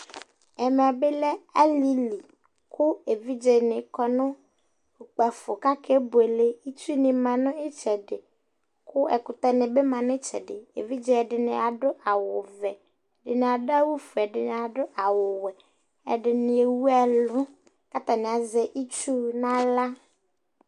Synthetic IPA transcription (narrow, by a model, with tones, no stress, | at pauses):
ɛ˨m˨a˨bɪ˦lɛ˦a˦li˦li˨ | kʰʊ˦e˨vi˦d͡ʒe˨nɪ˨kɔ˦nʊ̃˦ | ku˨k͡pa˨fʊ˨ka˦kʰe˦bʊ˨e˨le˦i˦tu˦nɪ˨mã˨nʊ̃˦ɪ˦t͡ʃɛ˨dɪ˨ | kʰʊ˦ɛ̰˨kʊ˨t̪ɛ˦nɪ˨be˦mã˨nʊ̃˦t͡ʃɛ̰˨dɪ˨ḛ˨vi˦d͡ʒe˦ɛ˨dɪ˨nɪ˨a˨dʊ˦ʔa˨wʊ˨vɛ˨ | dɪ˨nɪ˨a˨da˦wu˦fʊ˨ɛ˨dɪ˨nɪ˨a˨dʊ˦ʔa˨wʊ˨wɛ˨ | ɛ̰˨dɪ˨nɪ˨e˨wu˦ɛ˦lʊ˦ | ka˦t̪a˨nɪ˨a˨zɛ˨ʔi˦t͡ʃu˦nã˦la˦